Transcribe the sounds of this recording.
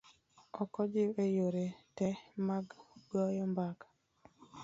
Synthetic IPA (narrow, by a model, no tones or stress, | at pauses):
ɔkɔd͡ʒɪejoɾetɛmaɡɡɔjɔmbakḁ